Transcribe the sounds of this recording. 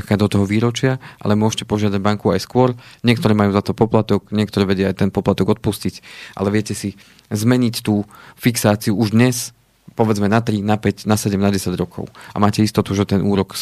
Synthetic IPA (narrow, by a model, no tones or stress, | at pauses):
kkad̪ɔt̪ɔɦɔʋiːɾɔt͡ʃɪaʔa̰lɛmʊɔʃcɛpɔʒɪad̪aɟbaŋkuajskʊɔɾɲɪɛk̚t̪ɔɾɛːmajuːzat̪ɔpɔplat̪ɔkɲɪɛkt̪ɔɾɛːʋɛɟɪaajt̪ɛnpɔplat̪ɔɡɔt̪̚puscicʔa̰lɛʋɪɛcɛsi | zmɛɲict̪uːfiksaːt͡siuuʒd̪ɲɛs | pɔʋɛd͡zmɛnat̪ɾinapɛcnasɛɟɛmnaɟɛsaɟɾɔkʰɔ̰ʊa̰maːcɛist̪ɔt̪uʒɛt̪ɛnʔuːɾɔk